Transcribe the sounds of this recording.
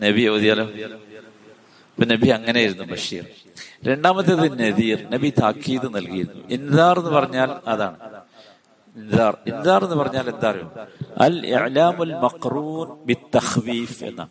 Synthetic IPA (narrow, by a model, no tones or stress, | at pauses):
nɐbioːðijaːlo̞ː | ponɐbiɐŋːɐnejiɾunːubɐʂḭːr | ɾe̞ɳɖaːmɐt̪ːɨɐðɨnɐðiːrnɐbit̪aːkːiːðɨnɐlkijiɾunːṵʔinðaːre̞nːɨpɐrɐɲːaːlɐða̰ːɳɨ | inðaːrinðaːrenːɨpɐrɐɲːaːlend̪aːrijṵmɐ̰lḭʕlaːmulmɐqruːnbit̪ːɐxfiːfḛnːa̰ːɳɨ